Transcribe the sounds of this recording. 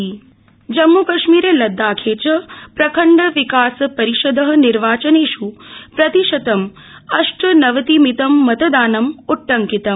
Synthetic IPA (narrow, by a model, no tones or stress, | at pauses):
d͡ʒɐmːukɐʃmiːɾeːlɐd̪ːaːkʰeːt͡ʃɐpɾɐkʰɐɳɖɐʋikaːsɐpɐɾiʃɐd̪ɐɦɐ̆niɾʋaːt͡ʃɐneːʃupɾɐt̪iʃɐt̪ɐm | ɐʂʈɐnɐʋɐt̪imit̪ɐmːɐt̪ɐd̪aːnɐmuʈːɐŋkit̪ɐm